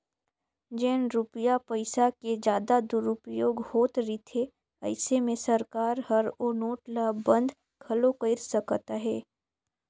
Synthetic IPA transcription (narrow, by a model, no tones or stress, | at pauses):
d͡ʒeːnɾʊpəjapəɪsaked͡ʒjaːd̪ad̪ʊɾʊpjoːɡhoːt̪ɾit̪ʰe | ɐ̰ɪsemẽsɐɾkaːɾhɐɾɔːnoːʈlaːbbɐ̃nd̪ | kʰɐlokəɪɾsɐkt̪aɦɛː